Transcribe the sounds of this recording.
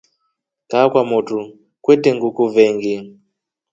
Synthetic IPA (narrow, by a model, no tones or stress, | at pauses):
kakwamotu | kweteŋɡukuveŋɡi